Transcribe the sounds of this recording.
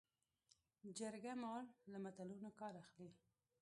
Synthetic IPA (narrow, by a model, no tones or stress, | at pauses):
d͡ʒaɾɡamɑɽlamat̪alunokɑɾaxli